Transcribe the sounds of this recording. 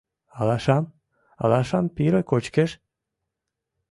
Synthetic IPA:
ɑlɑʃɑm | ɑ̰lɑʃɑmpiɾəkot͡ɕkeʃ

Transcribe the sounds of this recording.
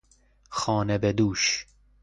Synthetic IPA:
xɒːnebed̪uːʃ

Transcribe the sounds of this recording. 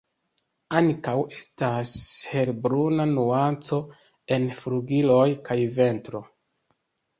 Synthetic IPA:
aŋkawe̞stashe̞ɾbɾunanuant͡so̞ | e̞nfluɡilo̞jkʰajve̞ntɾo̞

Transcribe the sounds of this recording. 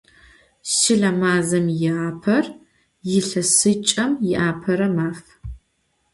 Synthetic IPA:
sɪɮɐmaːzɐmjɪaːpʰɐr | jɪɬɐsɨt͡ʃʼɐmjɪʔaːpʰɐɾɐmaːf

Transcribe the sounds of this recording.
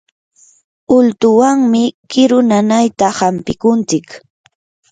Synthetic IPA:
ʊlt̪ʊwaŋmɪkɪɾʊnanajt̪ahampɪkʊnt͡sɪk

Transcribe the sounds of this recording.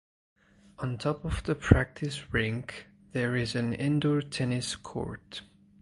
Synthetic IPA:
ə̃ntʰɔpʌvðəpʰɹ̥æk̚tʰɨsɹɪ̃ŋk | ðə˞ɪzɨ̃nɛ̃ndɔɹtʰɛnɪskʰɔ̰ɹt

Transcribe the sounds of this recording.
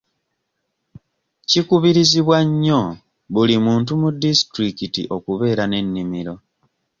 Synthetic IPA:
cikuβiɾiziβwaɲːo̞ | βulimuːnt̬umudistɾikitḭʔo̞kuβe̞ːɾane̞nːimiɾo̞

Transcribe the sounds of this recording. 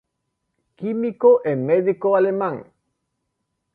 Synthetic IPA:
kimikoʔemːeðikoalemãŋ

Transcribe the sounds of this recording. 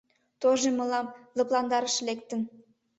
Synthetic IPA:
t̪oʒemɤ̆lɑmlɤ̆plˠɑnd̪ɑɾə̆ʃlekt̪ə̆n

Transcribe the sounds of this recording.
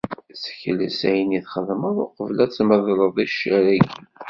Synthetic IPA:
sə̥çələsæjəniθχəðˤməðˤoqəvlæt͡sːməðˤɾˤəðˤiʃæɾæɡi

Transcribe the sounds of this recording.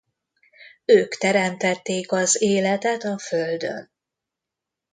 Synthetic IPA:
øːkt̪ɛɾɛmt̪ɛt̪ːeːkɒzeːlɛt̪ɛt̪ɒføld̪ø̰n

